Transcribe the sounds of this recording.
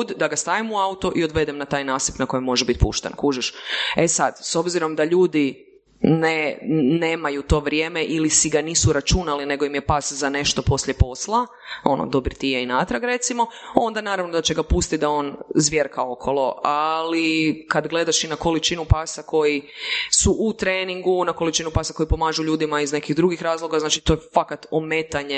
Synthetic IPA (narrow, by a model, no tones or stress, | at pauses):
d̪d̪aɡast̪aːʋimuaut̪o̞ʔio̞d̪ʋe̞d̪ɛmnat̪aːjnaːsipnako̞jemo̞ʒebit̪pṵʃt̪ḛnkuːʒeʃe̞sad̪so̞bziɾo̞md̪aʎuːd̪i | nene̞ːmajut̪o̞ːʋɾʲje̞ːme̞ʔilisiɡaniːsuɾat͡ʃunaline̞ɡo̞imje̞paːszane̞ʃt̪o̞po̞slje̞po̞slˠa | o̞no̰d̪o̞biɾt̪ijeinat̪ɾaɡɾe̞t̪simo̞o̞nd̪anaːɾaʋnod̪at͡ɕeɡapust̪it̪̚d̪ao̞nzʋjeɾkao̞kʰo̞lˠo̞ʔalikad̪ɡle̞d̪aʃinako̞lit͡ʃinupaːsako̞jisuʔut̪ɾeːniŋɡunakolit͡ʃinupaːsako̞jipo̞maːʒuʎuːd̪imaizne̞kiɣd̪ɾuɡixɾaːzlˠo̞ɡaznaːt͡ʃit̪o̞jefakat̪ome̞t̪aɲe